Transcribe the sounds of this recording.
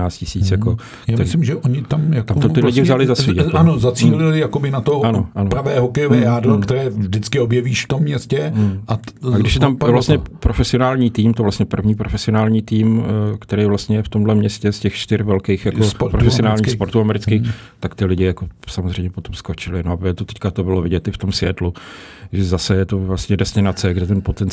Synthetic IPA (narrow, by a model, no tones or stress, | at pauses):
aːt͡scɪsiːt͡sjako | jaːmɪslɪmʒɛʔoɲɪt̪amjaktamot̪ɪlɪɟɪvzalɪzasviːanozat͡siːlɪlɪjakobɪnat̪oanoʔanopɾavɛːɦokɛjovɛːjaːdɾokt̪ɛɾɛːʒdɪt͡skɪobjɛviːʃft̪omːɲɛscɛʔaaɡdɪʃjɛt̪amvlast̪ɲɛpɾofɛsɪo̞naːlɲiːt̪iːmt̪ovlast̪ɲɛpr̩vɲiːpɾofɛsɪonaːlɲiːt̪iːmkt̪ɛɾejvlast̪ɲɛjɛft̪o̞mdlɛmɲɛscɛscɛxt͡ʃt̪ɪɾvɛlkejxjakopɾofɛsɪonaːlɲixspo̞ɾt̪uamɛɾɪt͡skiːx | t̪akt̪ɪlɪɟɪjako̞samozr̝ɛjmɲɛpo̞t̪o̞msko̞t͡ʃɪlɪnoʔaɛt̪ot̪ɛckat̪obɪlovɪɟɛt̪ʔɪft̪o̞msvjɛt̪lu | ʒɛzasɛjɛt̪o̞vlast̪ɲɛdɛstɪnat͡sɛɡdɛt̪ɛnpot̪ɛn